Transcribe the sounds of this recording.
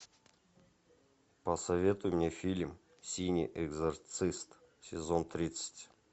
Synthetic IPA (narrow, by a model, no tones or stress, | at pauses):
pəsɐvʲe̞t̪ʊjɪmnʲefʲilʲm | sʲinʲiʔɛɡzɐrt̪sɨst̪ | sʲɪzont̪ɾʲit̪sə̥tʲ